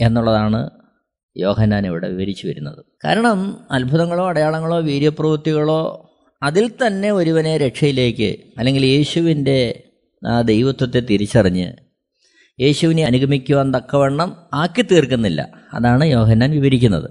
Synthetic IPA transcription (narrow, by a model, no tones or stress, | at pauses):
e̞nːuɭːɐðaːɳɨ̰ | jo̞ːhɐnːaːneʋiɽe̞̰ʋiʋɐɾit͡ɕːuʋɐɾunːɐðɨka̰ːɾɐɳɐmɐlbʱuðɐŋːɐɭo̞ːɐɽɐjaːɭɐŋːɐɭo̞ːʋiːɾjɐprɐʋurt̪ːiɣɐɭo̞ː | ɐðilt̪ɐnːe̞oɾuʋɐneɾe̞ʈʂɐjile̞ːkːɨ̰ɐlːe̞ŋɡilje̞ːɕuʋinde̞ | aːd̪e̞jʋɐt̪ːwɐt̪ːet̪iɾit͡ɕːɐriɲːɨ̰ | je̞ːɕuʋineɐnuɡʱɐmikʲːuʋɐnd̪ɐkːɐʋe̞ɳːɐmaːkːɨt̪iːrkunːilːɐ̰ | ɐ̰ðaːɳɨjo̞ːɦɐnːaːnʋiʋɐɾikʲːunːɐ̰ðɨ̰